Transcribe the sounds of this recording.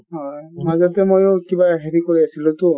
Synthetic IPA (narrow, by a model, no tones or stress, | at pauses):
ɦɔjmazɔtɛmojokibaɦeɹikoɹiasʰilũtʊ